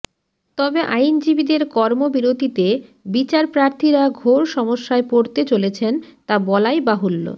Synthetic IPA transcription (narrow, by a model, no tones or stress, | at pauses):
t̪ɔbeʔajnd͡ʑibid̪eɾkɔɾmobiɾod̪ʱit̪ebit͡ɕaɾpɾaɾt̪ʰiɾaɡʱoɾʃɔmoʃːaepoɾt̪et͡ɕolet͡ɕʰent̪abɔlajbaɦulːo̰